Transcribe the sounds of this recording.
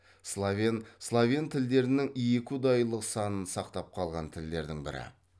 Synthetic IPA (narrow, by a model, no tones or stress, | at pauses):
slˠavʲenslˠavʲent̪ʰɪld̪e̞ɾɪnɪŋjekʲud̪ɑjlˠəqsɑnənsɑqt̪ɑp̚qʰɑlˠʁɑnt̪ʰɪld̪e̞ɾd̪ɪŋbɪ̰ɾɪ̰